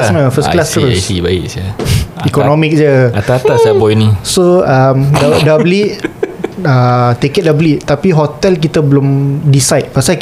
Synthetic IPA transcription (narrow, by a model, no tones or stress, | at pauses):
sməfəsklast̪əɾosibaḭksaikonõmik̚d͡ʒəat̪at̪asabɔinĩsoamdadabliʔ | ət̪ekɛt̪̚dabliʔt̪apiɦot̪ɛlk̬it̪abəlʊmdisajt̪̚pasa